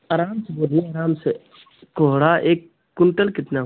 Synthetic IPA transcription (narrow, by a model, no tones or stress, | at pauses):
ɐɾaːmseboːd̪iaːɾaːmse | koɦɽaʔeːkː | ʊɳʈəlkɪt̪na